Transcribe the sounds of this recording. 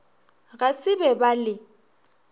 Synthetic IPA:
ɣasɪbɛbalɪ

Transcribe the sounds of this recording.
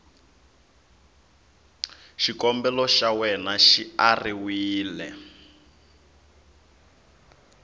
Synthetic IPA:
ʃikɔmbɛlɔʃawɛnaʃiariwiːlɛ̰

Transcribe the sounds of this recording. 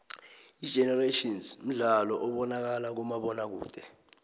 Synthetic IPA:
i̥ʒ̥ʱɛnɛreʃinzm̩ɮalɔʔɔɓɔnak̬alak̬umaɓɔnak̬ṵːd̥ʱɛ

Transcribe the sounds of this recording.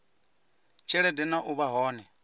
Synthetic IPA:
t͡ʃʰɛɺɛdɛnaʔuβaɦɔːnɛ

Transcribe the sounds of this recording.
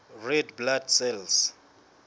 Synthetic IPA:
rɛdbladsɛls

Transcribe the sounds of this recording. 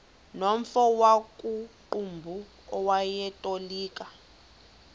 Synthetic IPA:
nom̩fɔwakʼuǃumbʱu | ɔwajɛtʼoliːkʼa

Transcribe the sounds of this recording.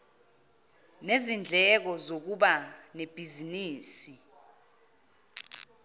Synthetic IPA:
nezind͡ɮʱɛk̬ɔzok̬uɓaneb̥ʱiziniːsi

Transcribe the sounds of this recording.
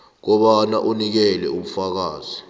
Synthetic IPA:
k̬ɔɓana̰ʔunik̬ɛlɛum̩fak̬aːzi

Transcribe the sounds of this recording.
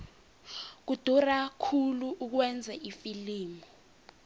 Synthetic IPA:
k̬ud̥ʱurakʰuluʔːk̬wɛnd͡zʱɛʔifiliːmɔ

